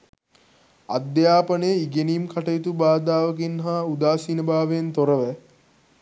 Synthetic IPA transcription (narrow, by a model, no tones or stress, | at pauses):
a̰d̪jaːpənəjəiɡeniːmkaʈəjit̪ubaːd̪aːʋəkinɦaud̪aːsinəbaːʋeent̪oɾəʋə